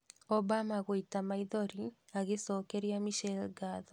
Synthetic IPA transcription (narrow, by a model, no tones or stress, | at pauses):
ɔbamaɣoitamaiðɔɾiaɣesɔːkɛɾiamiʃɛlɡaðɔ